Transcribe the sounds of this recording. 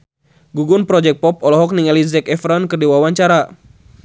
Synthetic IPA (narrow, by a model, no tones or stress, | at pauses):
ɡuɡunpɾɔd͡ʒɛk̚pɔp̚ɔlɔɦɔk̚niŋɛlizɛkɛfɾɔnkɨrdiwawaɲt͡ʃaɾa